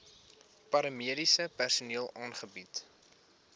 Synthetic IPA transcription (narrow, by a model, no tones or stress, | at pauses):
pɐɾəmiəɾisəpærsuniəlˠʔɑːnχəbit